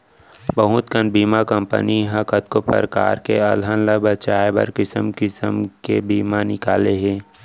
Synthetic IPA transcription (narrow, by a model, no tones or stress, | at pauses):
bəɦʊt̪kənbiːmakəmpə̰niɦɐkət̪̚kopə̰ɾka̰ːɾkeɐlɦãnlabət͡ʃaːebɐ̰ɾkɪsəmkɪsəmkebiːmanɪka̰ːleɦɛ̃ː